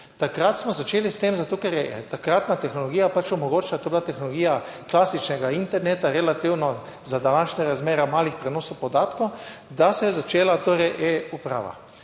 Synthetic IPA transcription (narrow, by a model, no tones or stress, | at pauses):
t̪akɾat̪smɔzat͡ʃeːlist̪emzat̪oːkɛɾjɛt̪akɾat̪nat̪ɛxnoloɡiːjapat͡ʃɔmoɡoːt͡ʃlat̪oːbilat̪ɛxnoloɡijaklaːsit͡ʃnɛɡaint̪ɛɾnet̪aɾɛlat̪iwnɔ | zad̪anaːʃɲaɾazmeːɾamaːlixpɾɛnoːsowpod̪aːt̪kowd̪asɛjɛzat͡ʃeːlat̪oːɾɛjʔɛupɾa̰ːʋa̰